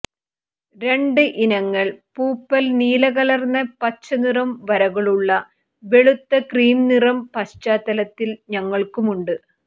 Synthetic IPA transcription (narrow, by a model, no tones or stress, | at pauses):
ɾe̞ɳɖɨʔinɐŋːɐɭpuːpːɐlniːlɐɣɐlɐrnɐpɐt͡ɕːɐnirɐmʋɐɾɐɣɐɭuɭːɐ | ʋe̞ɭut̪ːɐkriːmnirɐmpɐɕt͡ɕaːt̪ːɐlɐt̪ːilɲɐŋːɐɭkumuɳɖɨ